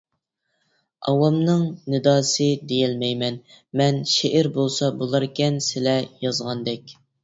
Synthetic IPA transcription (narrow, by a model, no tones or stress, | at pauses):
ɑwɑmnɨŋnɨd̪ɑːsɨd̪ejɪlmɛjmɛn | mɛnʃeʔɪɾbolˠsɑbolˠɑɾkʲɛnsɪlɛjɑzʁɑnd̪ɛkʲ